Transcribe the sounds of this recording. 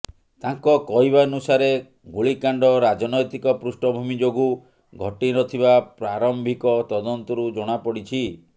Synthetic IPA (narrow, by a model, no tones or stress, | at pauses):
t̪aŋkɔkɔɦibanusaɾe | ɡuɭikaɳɖɔɾad͡ʒɔnɔjt̪ikɔpɾusʈɔbʱumid͡ʒoɡu | ɡʱɔʈiɾɔt̪ʰiβapɾaɾɔmbʱikɔt̪ɔd̪ɔnt̪ɔɾud͡ʒɔɽ̃apɔɽit͡ʃʰi